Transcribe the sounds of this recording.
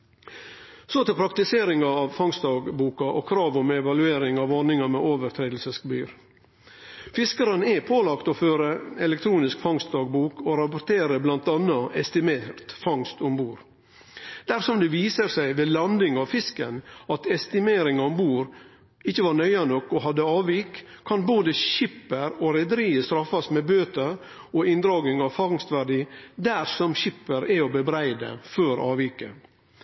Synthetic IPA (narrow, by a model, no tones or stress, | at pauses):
sot̪ɪlpʰɾɑk̚t̪ɪseːɾɪŋɑɑʋfɑŋst̪d̪ɑːɡbuːkɑʔɔkʰɾɑːʋɔmɛʋɑlʉeːɾɪŋɑʋɑnɪŋɑmɛoːʋəɾt̪ʰɾeːd̪l̩səsbyːɾ | fɪskəɾənɛpʰoːlɑkt̪ɔføːɾəɛlɛk̚t̪ʰɾuːnɪskfɑŋst̪̚d̪ɑːɡ̚buːkɔɾɑpʊɾt̪ʰeːɾəblɑnt̪ɑnːɑʔɛst̪ɪmeːɾt̪fɑŋst̪ɔmbuːɾ | d̪̥æɾsɔmd̪ɛʋiːsəɾsæɪʋeːlɑnd̪ɪŋɑʋfɪskənɑt̪ɛst̪ɪmeːɾɪŋɑɔmbuːɾ | ɪçːəʋɑɾɳœʏɑnɔkːɔɦɑd̪ːəɑːʋiːkʰː | ɑnboːd̪əçɪpːəɾoɾɛd̪əɾiːəst̪ɾɑfːɑsmɛbøːt̪əɾ | ɔɪnd̪ɾɑːɡ̪ɪŋɑʋfɑŋst̪ʋæɖiːd̪æɾsɔmçɪpːəɾæɔbəbɾæɪd̪ə̰føːɾɑ̰ːʋiːkə̰